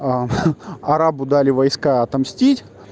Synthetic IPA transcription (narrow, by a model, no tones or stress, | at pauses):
ɐɾabʊd̪alʲɪvɐjskaɐt̪ɐmsʲtʲitʲ